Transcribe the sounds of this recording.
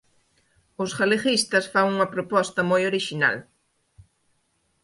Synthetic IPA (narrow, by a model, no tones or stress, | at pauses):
ʊsxalexist̪ɐsfaŋuŋɐpɾopɔst̪ɐmojoɾiʃina̰l